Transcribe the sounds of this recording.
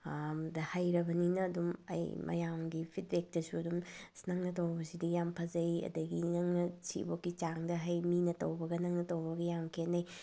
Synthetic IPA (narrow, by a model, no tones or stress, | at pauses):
mdɐhajɾɐbɐninɐːdumɐ̰jmʔɐ̰jamɡipʰitɾek̚tɐsuɐdumsnɐŋnɐt̬ɐwbɐsidijampʰɐzɐjɐ̰dɐɡinɐŋnɐsḭbokːit͡ʃaŋdɐɦɐjminɐtɐ̰wbɐɡɐnɐŋnɐtɐwbɐɡɐjamkʰenːɐj